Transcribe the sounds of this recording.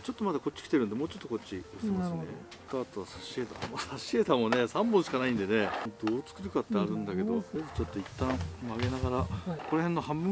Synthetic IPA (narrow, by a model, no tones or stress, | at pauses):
t͡ɕo̞t̪ːo̞mad̪ako̞t͡ɕːi̥kʲi̥t̪e̞ɾɯ̟nd̪emoːt͡ɕo̞t̪ːo̞ko̞t͡ɕt͡ɕːioseɾmassnekaːt̪o̞βasaɕe̞ːt̪amosaɕiet̪amo̞ne̞sãmbõɰ̃ɕikanaĩnd̪e̞ne̞d̪o̞ːt͡sɨ̥kɯ̟ɾɯ̟kat̪ːeaɾɯ̟̃nd̪ake̞d̪o̞ed̪ot͡ɕo̞t̪ːoit̪ːãɰ̃maɡe̞naɡaɾako̞ɾe̞henːo̞hãmbɯ